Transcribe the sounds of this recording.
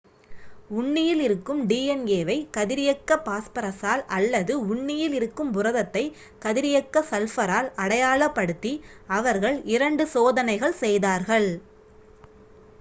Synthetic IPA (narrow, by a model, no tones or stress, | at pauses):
ʊɳːɪjɪlɪɾɯkːɯmɖiːɛneːʋɐɪkɐðɪɾɪjɐkːɐpaːspɐɾɐsaːlɐlːɐðɯʊɳːɪjɪlɪɾɯkːɯmbʊɾɐðɐt̪ːɐɪ | kɐðɪɾɪjɐkːɐsɐlfɐɾaːlɐɽɐjaːɭɐpːɐɽɯt̪ːiɐʋɐɾɣɐɭɪɾɐɳɖɯsoːðɐnɐɪɣɐɭsɛjðaːɾɣɐɭ